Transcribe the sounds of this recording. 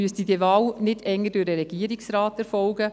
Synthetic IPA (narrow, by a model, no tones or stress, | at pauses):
yəstidəvɑːlnɪdɛŋːədʊːɾdəɾɛɡ̥iːəɾiksɾaːtɛɾfɔlɡə